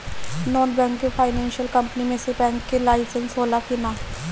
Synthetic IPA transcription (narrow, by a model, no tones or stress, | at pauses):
nɔːnbɛ̃ːŋkːepʰaːɪnɛ̃ːnʃiəlkɐ̃mpənimẽsebɛ̃ːŋkːelaːɪsɪ̃nsoːlakinaː